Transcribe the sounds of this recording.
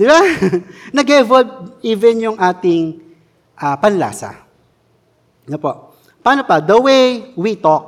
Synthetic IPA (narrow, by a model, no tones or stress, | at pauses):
d̪ɪba | nɐɡɛvod̪̚iːvɛnjʊŋʔaːt̪ɪŋ | ʔapɐnla̰ːsɐ̰ | nopoʔ | paːnopɐd̪ɐwɛjwit̪ok̚